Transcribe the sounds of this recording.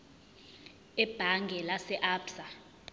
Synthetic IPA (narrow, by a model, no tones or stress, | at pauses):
ɛb̥ʱaŋɡʱɛlasɛʔaːbsa